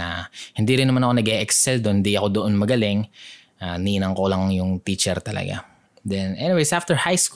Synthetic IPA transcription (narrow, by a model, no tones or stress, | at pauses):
ahɪnd̪iɾɪnːɐmanɐko̞nɐɡɛʔɛksɛld̪ohɪnd̪iʔɐko̞d̪oʔonmɐɡɐlɪŋ | ʔaniːnɐŋkolɐŋjʊŋt̪iːt͡ʃɛɾt̪ɐlɐ̰ɡa̰ | d̪ɛnʔɛniwejsʔaft̪ɛɹhajsk